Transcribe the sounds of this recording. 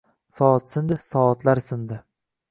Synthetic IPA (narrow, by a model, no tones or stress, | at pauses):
sɒɒt̪sɪnd̪ɪsɒːt̪laɾsɪnd̪ɪ